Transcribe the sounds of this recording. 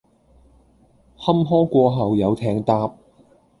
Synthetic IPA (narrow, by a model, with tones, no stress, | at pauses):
hɐ˥mɦɔː˥kʷɔː˧ɦɐ˨wjɐ˨˧wt̪ʰɛː˧ŋt̪aː˥p̚